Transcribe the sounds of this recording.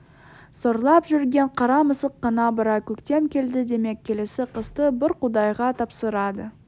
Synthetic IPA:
soɾlˠɑpʒʏɾɡʲe̞ɴqʰɑɾɑməsəqːɑnɑbəɾɑkʲʰɵkt̪e̞mkʲe̞ld̪ɪd̪e̞me̞kʲʰːe̞le̞sɪqʰəst̪əbɪɾqʰʊd̪ɑjʁɑt̪ʰɑpsəɾɑd̪ə

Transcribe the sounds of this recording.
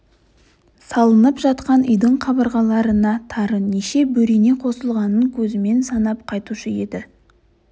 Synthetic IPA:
sɑlˠənəpʒɑt̪qɑnʏjd̪əɴχʰɑbəɾʁɑlˠɑɾənɑt̪ʰɑɾəneʃe̞bɵɾene̞qʰo̞səlˠʁɑnəŋkʲʰɵzɪme̞nsɑnɑp̚qʰɑjt̪uʃəje̞̰d̪ɪ

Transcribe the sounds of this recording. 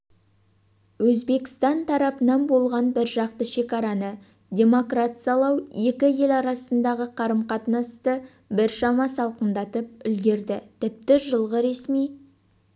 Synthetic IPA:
wɵzbe̞kʲɪ̥st̪ɑnt̪ʰɑɾɑpənɑnbo̞lˠʁɑnbɪɾʒɑq̚t̪əʃe̞kʲɑɾɑnə | d̪ʲe̞mo̞krat̪sijɑlˠɑwe̞kʲɪje̞lɑɾɑsənd̪ɑʁəqʰɑɾəmqɑt̪nɑst̪ə | bɪɾʃɑmɑsɑlˠqənd̪ɑt̪əp̚ʏlɡʲe̞ɾd̪ɪt̪ʰɪp̚t̪ɪʒəlˠʁəɾe̞smij

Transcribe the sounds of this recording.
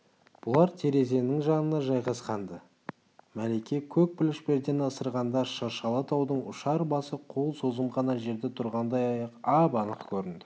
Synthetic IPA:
b̥ʊlˠɑɾt̪ʰe̞ɾe̞ze̞nɪŋʒɑnənɑʒɑjʁɑsqɑnd̪ə | mælekʲe̞kʲʰɵk̚pɪlɪʃpe̞ɾd̪e̞nəsəɾʁɑnd̪ɑʃɑɾʃɑlˠət̪ʰɑwd̪əɴʊ̰ʃɑɾbɑsəqʰolˠso̞zəmʁɑnɑʒe̞ɾd̪et̪ʰʊɾʁɑnd̪ɑjɑjɑqɑbɑnəqkʲʰɵɾɪnd̪ɪ

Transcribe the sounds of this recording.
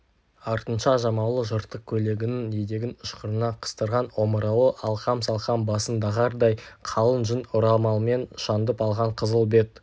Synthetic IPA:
ɑɾt̪ənʃɑʒɑmɑwlˠəʒəɾt̪ːəq̚kʲʰɵle̞ɡʲɪnɪŋejd̪e̞ɡʲɪnʊʃqəɾənɑqʰə̥st̪əɾʁɑno̞məɾɑwəʔɑlˠqɑmsɑlˠqɑmbɑsənd̪ɑʁɑɾd̪ɑjqʰɑlˠənʒɪnʊɾɑlˠmɑlˠme̞nʃɑnd̪əpɑlˠʁɑɴqʰəzəlˠbe̞t̪̚

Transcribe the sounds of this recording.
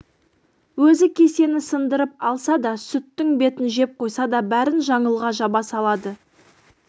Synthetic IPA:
wɵzɪkʲʰe̞se̞nɪsənd̪əɾəp̚ɑlˠsɑd̪ɑsʏt̪ːɪŋbe̞t̪ɪnʒe̞p̚qʰo̞jsɑd̪ɑbæɾɪnʒɑɴəlˠʁɑʒɑbɑsɑlˠɑd̪ə

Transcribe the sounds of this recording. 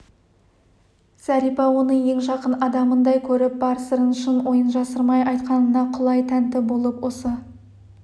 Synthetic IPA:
sæɾijpɑwo̞nəɴje̞ŋʒɑqənɑd̪ɑmənd̪ɑjkʲʰɵɾɪp̚bɑɾəsəɾənʃɪnwʔo̞jənʒɑsəɾmɑjʔɑjt̪qɑnənɑqʰʊlˠɑjt̪ʰænt̪ɪbo̞lˠəpwosə

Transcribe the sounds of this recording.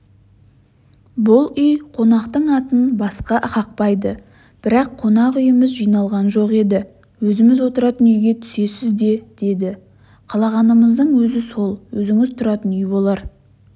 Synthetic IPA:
bʊlˠʏjqʰo̞nɑqt̪əɴɑt̪ənbɑsqɑʔəqɑq̚pɑjd̪ə | b̥ɪɾɑqʰːo̞nɑqʏjɪmɪzʒijnɑlˠʁɑnʒo̞qe̞d̪ɪ | wɵzɪmɪzwot̪əɾɑt̪ənʏjɡʲe̞t̪ʰʏ̥se̞sɪzd̪e̞d̪̥e̞d̪ɪ | qʰɑlˠɑʁɑnəməzd̪əɴwɵzɪso̞lˠwɵzɪŋɪzt̪ʰʊɾɑt̪ənʏjbo̞lˠɑɾ

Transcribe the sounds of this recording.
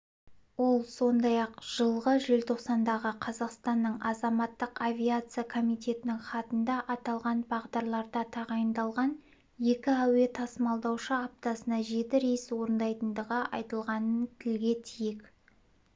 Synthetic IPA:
wo̞lˠso̞nd̪ɑjɑqʒ̥əlˠʁəʒɪlt̪ʰo̞qsɑnd̪ɑʁəqʰɑzɑqst̪ɑnːəɴʔɑzɑmɑt̪ːəqavʲijat̪sɨjakʰo̞mijt̪ʲe̞t̪ɪnɪŋχɑt̪ənd̪ɑʔɑt̪ɑlˠʁɑnbɑʁd̪ɑɾlˠɑɾd̪ɑt̪ʰɑʁɑjənd̪ɑlˠʁɑn | je̞kʲɪæwe̞t̪ʰɑsəmɑlˠd̪ɑwʃəɑp̚t̪ɑsənɑʒe̞t̪ɪɾejɪswo̞ɾənd̪ɑjt̪ənd̪əʁəʔɑ̰jt̪əlˠʁɑnənt̪ʰɪlɡʲe̞t̪ʰijek

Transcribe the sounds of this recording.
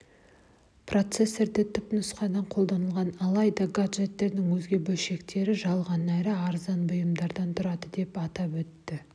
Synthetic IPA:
prʔo̞t̪se̞sːe̞ɾd̪ɪt̪ʰʏpnʊsqɑd̪ɑɴqʰo̞lˠd̪ɑnəlˠʁɑnɑlˠɑjd̪ɑɡaʒe̞t̪ːe̞ɾd̪ɪŋwɵzɡʲe̞bɵlʃe̞kt̪e̞ɾɪʒɑlˠʁɑnæɾɪɑɾzɑnbʊjəmd̪ɑɾd̪ɑnt̪ʰʊɾɑd̪əd̪e̞pɑt̪ɑpwɵt̪ːɪ

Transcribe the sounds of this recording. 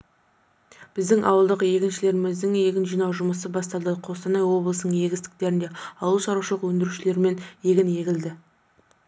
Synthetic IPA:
b̥ɪzd̪ɪŋʔɑ̰wəlˠd̪əqje̞ɡʲɪnʃɪle̞ɾɪmɪzd̪ɪŋje̞ɡʲɪnʒijnɑwʒʊməsəbɑst̪ɑlˠd̪əqʰo̞st̪ɑnɑjwo̞blˠəsənəɴje̞ɡʲɪst̪ɪ̥k̚t̪e̞ɾɪnd̪e̞ɑlˠuʃɑɾuʃəlˠəqwɵnd̪ɪɾuʃɪle̞ɾɪme̞nje̞ɡʲɪnje̞ɡʲɪld̪ɪ

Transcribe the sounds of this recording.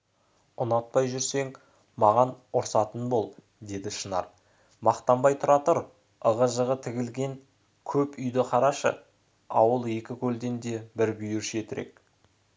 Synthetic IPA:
ʊnɑt̪̚pɑjʒʏɾse̞ŋ | mɑʁɑnʊɾsɑt̪ənbo̞lˠ | d̪e̞d̪ɪʃənɑ̰ɾ | mɑqt̪ɑmbɑjt̪ʰʊɾɑt̪əɾ | əʁəʒəʁət̪ʰɪɡʲɪlɡʲe̞ŋ | kʲʰɵpʏjd̪ɪqʰɑɾɑʃə̰ | ɑ̰wəlˠe̞kʲɪkʲʰɵld̪e̞nd̪e̞bɪɾbʏjɪɾʃe̞t̪ɪɾʔḛk̚

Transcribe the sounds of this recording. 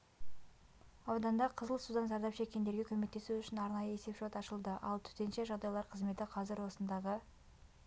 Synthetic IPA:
ɑwd̪ɑnd̪ɑqʰəzəlˠsud̪ɑnzɑɾd̪ɑpʃe̞kʲːe̞nd̪e̞ɾɡʲekʲʰɵme̞k̚t̪e̞suʏʃɪnɑɾnɑjəese̞pʒot̪ɑʃəlˠd̪əʔɑ̰lˠt̪ʰʏ̥t̪e̞nʃe̞ʒɑʁd̪ɑjlˠɑɾqʰəzme̞t̪ɪqʰɑzɪɾwo̞sənd̪ɑʁə

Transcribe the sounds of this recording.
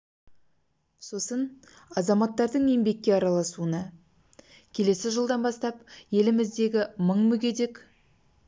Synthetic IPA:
so̞sən | ɑzɑmɑt̪ːɑɾd̪əɴe̞mbe̞kʲːe̞ɑɾɑlˠɑsuənɑ | kʲʰe̞le̞sɪʒəlˠd̪ɑnbɑst̪ɑpje̞lɪmɪzd̪e̞ɡʲɪməɴmʏɡʲe̞d̪e̞k

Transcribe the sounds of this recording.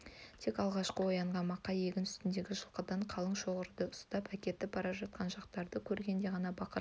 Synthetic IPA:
t̪ʰe̞kɑlˠʁɑʃqəwo̞jɑɴʁɑnmɑqːɑje̞ɡʲɪnʏst̪ɪnd̪e̞ɡʲɪʒəlˠqəd̪ɑɴqʰɑlˠəɴʃo̞ʁəɾd̪əʊst̪ɑpækʲe̞t̪ːɪpʰɑɾɑʒɑt̪̚qʰɑnʒɑqt̪ɑɾd̪əkʲʰɵɾɡʲe̞nd̪e̞ʁɑnɑbɑqʰəɾ

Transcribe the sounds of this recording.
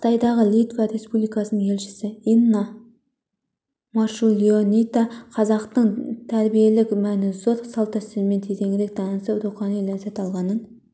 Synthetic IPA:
qʰə̥t̪ɑjd̪ɑʁəlˠijt̪vɑɾe̞spublijkɑsənəɴŋʰe̞lʃɪ̥sɪinːɑ | mɑʃulʲˠionit̪ɑqʰɑzɑqt̪əɴt̪ʰæɾbije̞lɪkmænɪzo̞ɾsɑlˠt̪ɑsɪzme̞t̪ʰet̪e̞ŋɡɪɾek̚d̪ʰɑnəsəpɾuχɑnijlɑzet̪ɑlˠʁɑnən

